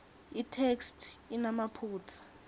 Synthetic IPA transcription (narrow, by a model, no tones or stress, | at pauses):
itʰekstʰinamapʰuːtʰḁ